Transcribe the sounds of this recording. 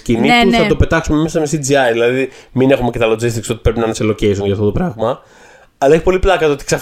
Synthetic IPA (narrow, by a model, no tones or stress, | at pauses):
cinist̪uθɐt̪ope̞t̪ɐksume̞mesɐmesid͡ziɐɾðilɐðimine̞xumecet̪ɐlod͡zist̪ikso̞t̪i̥pɾe̞pinɐnɐselo̞ceisunʝɐft̪ot̪o̞pɾɐɣmɐ | ɐlɐe̞çipo̞liplɐkɐt̪ot̪i̥ksɐ